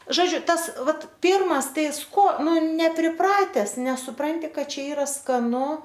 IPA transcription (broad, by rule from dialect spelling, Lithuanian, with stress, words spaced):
ˈʒoːd͡ʒʲʊ ˈtɐs ˈʋɐt ˈpʲiːrmɐs ˈtɐɪ ˈkoː ˈnʊ nʲɛpʲrʲɪˈprɑːtʲɛs nʲɛsʊˈprɐnʲtʲɪ ˈkɐt ˈt͡ʃʲɛ ˈiːrɐ skɐˈnʊ